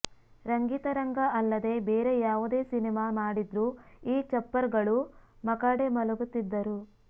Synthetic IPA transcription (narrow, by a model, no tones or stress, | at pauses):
ɾɐŋɡiːt̪ɐɾɐŋɡɐɐlːɐd̪e̞beːɾe̞jaːʋud̪e̞ːsinemaːmaːɽid̪ɾuiːt͡ʃɐpːɐɾɡɐɭumɐkaːɽemɐluɡut̪ːid̪ːɐɾu